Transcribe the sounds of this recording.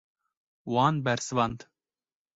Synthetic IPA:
wɑːnbɛɾsɨvɑnd̪

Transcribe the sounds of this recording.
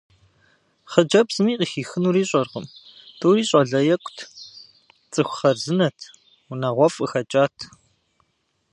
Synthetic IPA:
χəd͡ʒɐbz̥ɨmiːqʼixiːxɨnuːɾiːɕʼɐrʁəm | tʰʼuːɾiːɕʼɐɮɐjɛkʷʰʼtʰ | t͡sʼɨxʷʊχɐrzɨnɐtʰ | unaʁʷɔfʼɨxɐt͡ʃʼaːtʰ

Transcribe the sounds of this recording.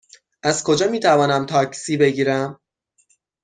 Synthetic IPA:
ʔæz̥kʰo̞d͡ʒɒːmiːt̪ʰævɒːnæmt̪ʰɒːcsiːbe̞ɡiːɾæm

